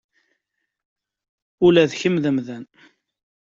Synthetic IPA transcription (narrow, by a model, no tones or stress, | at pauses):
ʊlæðçəmðəmðæn